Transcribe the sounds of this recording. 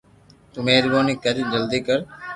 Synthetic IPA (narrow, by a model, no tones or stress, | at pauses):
t̪umeːɾboːniːkəɾd͡ʒəld̪iːkəɾ